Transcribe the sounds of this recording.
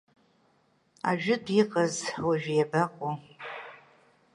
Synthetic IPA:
a̰ʒᶣʊdiqʼazwaʒᶣjabaqʷʼo

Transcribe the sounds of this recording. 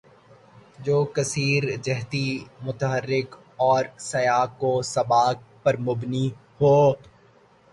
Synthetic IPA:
d͡ʒoːkɐsiːɾd͡ʒɛɦt̪imʊt̪əɦəɾːɪk | ɔːɾsɐjaːkːosɐbaːk̚pɐɾmʊbni | hoː

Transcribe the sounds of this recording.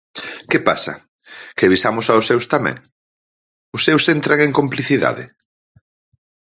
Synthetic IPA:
kɪpasɐ̰ | kɪβisamʊsaʊsːewst̪amɛ̰̃ŋ | ʊsːewsent̪ɾaŋeŋkompliθiða̰ðɪ̰

